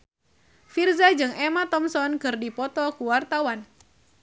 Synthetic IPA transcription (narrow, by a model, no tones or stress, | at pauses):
firzad͡ʒɨŋemat̪ɔmsɔnkɨrdipɔt̪ɔkuwart̪awan